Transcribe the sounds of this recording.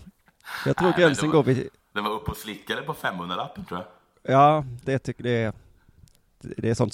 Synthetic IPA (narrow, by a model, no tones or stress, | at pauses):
jɑːt̪ʰɾuːɾɡɾɛnsənɡoːɾvɪ | d̪ɛnvaɾɵpːɔslɪkːad̪əpɔfɛmːhɵnɾaap̪ːənt̪ʰɾuːja | jɑːd̪̥ɛt̪ʰʏkːɖɛ | d̪ɛːsɔnt̪s